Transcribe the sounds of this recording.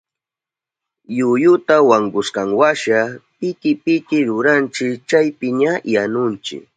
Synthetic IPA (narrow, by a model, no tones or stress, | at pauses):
jʊjʊt̪awaŋɡʊskaŋwaʃapɪkɪpɪkɪɾʊɾant͡ʃɪkt͡ʃajpɪɲajanʊnt͡ʃɪ̰k